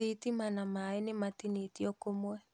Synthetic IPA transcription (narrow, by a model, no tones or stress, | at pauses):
itimanamaenematinetiɔkomwɛ